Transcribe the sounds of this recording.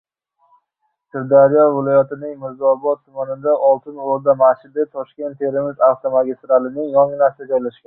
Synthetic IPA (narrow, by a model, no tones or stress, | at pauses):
sɪɾd̪aɾijɒvɪlˠɒjat̪ɪnɪŋmɪɾzɒbɒt̪ʰːʊmanɪd̪aʔɒlˠt̪ʰɪnoɾd̪amaʃɪd̪ɪt̪ʰɒʃkʲe̞nt̪ʰːe̞ɾɪmɪzaft̪omaɡʲest̪ɾalˠɪnɪŋjɒŋɪnasɪd̪ad͡ʒɒjlaʃkʲan